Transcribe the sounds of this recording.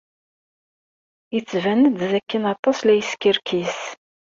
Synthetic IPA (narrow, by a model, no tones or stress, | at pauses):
jət͡sːvænəd̪ðækːənɑt̪ˤːɑslæjəskəɾkʰis